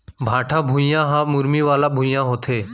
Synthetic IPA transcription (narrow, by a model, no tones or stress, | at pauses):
bʱaːʈʰãːbʱũːjãːɦãːmʊɾmiːʋaːlaːbʱũːjãːɦoːt̪ʰeː